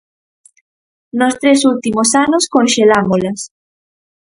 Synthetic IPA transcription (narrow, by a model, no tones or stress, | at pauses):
nost̪ɾesult̪imosanoskonʃelamolas